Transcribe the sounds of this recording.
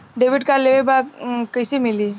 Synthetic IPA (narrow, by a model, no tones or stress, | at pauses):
ɖeʋɪʈkaleʋebakəjsemɪliː